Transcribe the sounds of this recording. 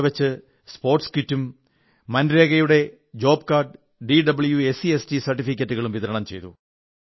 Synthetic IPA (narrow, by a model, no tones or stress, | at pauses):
ʋɐt͡ɕːɨ | spo̞ːrʈskitːumː | ɐnɾe̞ːɣɐjuɽe̞ | d͡ʑo̞ːpkaːrɖ | ɖiɖɐbɨɭjuesiestisɐrʈːifikʲːɐtːuɣɐɭumʋitðɐɾɐɳɐmt͡ɕe̞jt̪ṵ